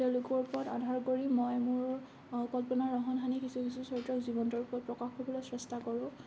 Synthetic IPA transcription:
teʊlʊkɔɹpɔɹɔta̰dʱaɹkoɹimɔjmʊɹ | kɔlpɔnaɹːɔɦɔnɦanikisukisusɔɹtɹɔkzibɔntɔɹupɔɹɔt̚pɹɔkaxbɔbɔlɔjsɹɛstakɔɹʊ̃

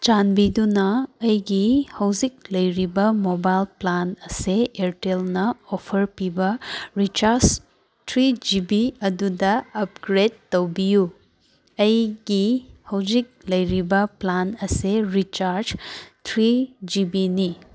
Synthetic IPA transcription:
t͡ʃanbidunɐːjɡihɐwzik̚lɐjɾibɐmobajlplanɐseeɾtelnɐopʰɐɾpibɐɾit͡ʃaɾs | tʰɾid͡ʒibiɐdudɐɐp̚ɡɾed̚ːɐwbiju | ɐjɡihɐwzik̚lɐjɾibɐplanɐseɾit͡ʃaɾd͡ʒtʰɾid͡ʒibini

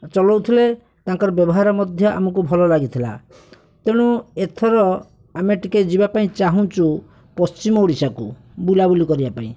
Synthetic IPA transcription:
t͡ʃɔlɔwt̪ʰile | t̪ãŋkɔɾɔbjɔbɔɦaɾɔmɔd̪ʱjɔʔa̰mɔkubʱɔlɔlaɡit̪ʰila̰ | t̪eɽ̃uet̪ʰɔɾɔ | ameʈiked͡ʒibapaĩt͡ʃaɦũt͡ʃu | pɔst͡ʃimɔuɽisaku | bulabulikɔɾibapaḭ̃

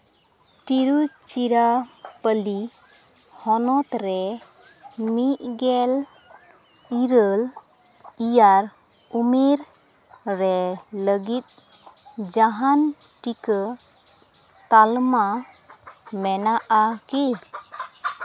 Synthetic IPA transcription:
ʈiɾut͡ʃiɾapəli | hɔnɔt̪ɾɛ | miʔ̚ɡɛl | iɾəl | ijaɾ | umiɾ | ɾɛləɡit̪̚ | d͡ʒaɦan | ʈikə | t̪alma | mɛnaʔaki

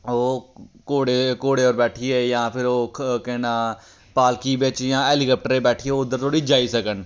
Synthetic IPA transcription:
oːkoːɽekoːɽeːɔːɾbɛːʈʰieːjãːpʰɪɾoːkɛːnaː | paːlkiːbeːt͡ʃjãːeːlikəːp̚ʈəɾẽːbɛːʈʰieːʊd̪ːəɾt̪ʰoːɽiːd͡ʒaːisəkən

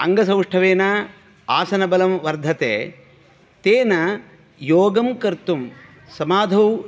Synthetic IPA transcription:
ɐ̰ŋɡɐsɐ̃wʂʈʰɐʋeːna | aːsɐnɐbɐlɐmʋɐɾd̪ʱɐt̪ḛː | t̪eːnɐ | joːɡɐmkɐɾt̪um | sɐmaːd̪ʱɐw

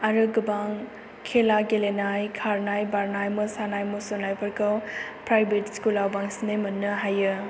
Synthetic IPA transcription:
aɾɯɡɯbaŋ | kʰelaɡelenajkʰaɾnajbaɾnajmɯsanajmusonajpʰəɾkɔwpɾajbʱetskulawbaŋsnemɐnːɯɦajɯ

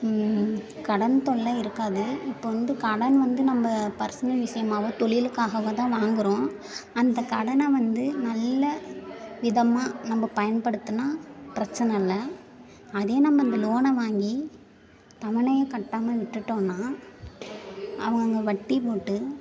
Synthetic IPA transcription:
kɐɽɐnt̪ɔɭːɐɪɾɯkːaːðɯɪpːoːʋɐnd̪ɯkɐɽɐnʋɐnd̪ɯnɐmbɐpɐɾsɐnɐʋɪʂɐjɐmaːʋõːt̪ɔɭɪjlɯkːaːɣɐʋɐt̪ãːʋaːŋɡɪɾõː | ɐnd̪ɐkɐɽɐnɐʋɐnd̪ɯnɐlːɐʋɪðɐmaːnɐmbɐpɐjɐnpɐɽɯt̪ːɯnaːpɪɾɐt͡ʃːɐnɐlːɐ | ɐðeːnɐmːbɐɪnd̪ɐloːnɐʋaːŋɡi | t̪ɐʋɪɳɐjɐkɐʈːaːmɐʋɪʈːɯʈːõːnːaː | ɐ̰ʋɐŋɡɐŋɡɐʋɐʈːipoːʈːɯ

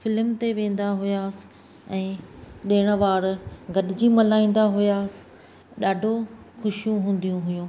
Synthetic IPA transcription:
fɪlmt̪eʋẽːn̆d̪aɦʊjaːsɪ̥̆ | ɛ̃ːɗeːɽ̃ə̆ʋaːɾɡɐɗɪd͡ʑimɐlaːĩːn̆d̪aɦʊjaːsɪ̥̆ | ɗaːɖʱo | xʊʃɪjũɦũːn̆d̪ijũɦʊjũː

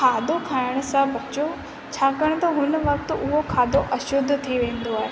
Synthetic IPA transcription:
kʰaːd̪ʱokʰaːɪɽ̃̆sãbɐt͡ɕo | t͡ɕʰaːkəɽ̃̆t̪ɐɦʊnʋɐk̚t̪ʊ̆ʊɦokʰaːd̪oʔɐʃʊd̪ʱːt̪ʰiʋẽːn̆d̪oaːɦeː

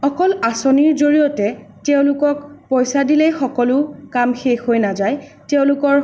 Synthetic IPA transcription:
ɔkɔlasoniɹzoɹijɔtɛtɛʊ̃lʊkɔkpɔjsadilɛjxɔkɔlʊkamxexɦojnazajtɛʊ̃lʊkɔɹ

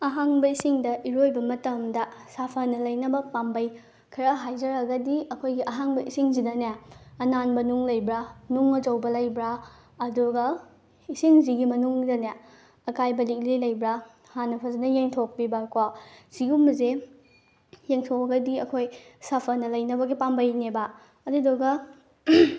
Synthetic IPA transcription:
ɐɦaŋbɐisiŋdɐʔiɾojbɐmɐtɐmdɐsapʰɐnɐlɐjnɐbɐpambɐj | kʰɐɾɐɦajzɐɾɐɡɐdiɐkʰojɡiʔɐɦaŋbɐisiŋzidɐneɐnanbɐnuŋlɐjbɾanuŋːɐd͡ʒɐwbɐlɐjbɾa | ɐduɡɐ | isiŋziɡimɐnuŋdɐne | ɐkajbɐlik̚lilɐjbɾa | hanɐpʰɐzinɐjeŋtʰok̚bibakwasiumɐze | jeŋtʰowɐɡɐdiɐkʰojsapʰɐnɐlɐjnɐbɐɡipambɐjneba | ɐdudoɡɐ

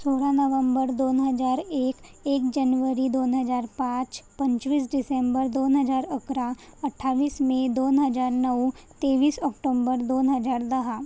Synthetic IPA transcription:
soːlanəʋə̃mbəɾd̪oːnɦɐzaːɾeːkeːkd͡ʒɐnʋəɾid̪oːnɦɐzaːɾpãːt͡ʃpɐ̃ɲt͡ʃʋiːs̬ɖɪsẽmbəɾd̪oːnɦəzaːɾəkɾaɐʈʰːaːʋiːsmẽd̪oːnɦɐzaːɾnəut̪eːʋiːsɔːkʈoːmbəɾd̪oːnɦɐzaːɾd̪ɐɦa

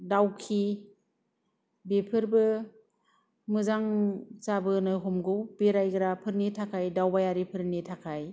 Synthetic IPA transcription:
dawkʰi | bepʰɯɾbɯ | mɯzaŋsabɯnɯɦomɡɯwb̥eɾajɡɯɾapʰɯɾnitʰakʰajdawbajaɾipʰɯɾnitʰakʰaj

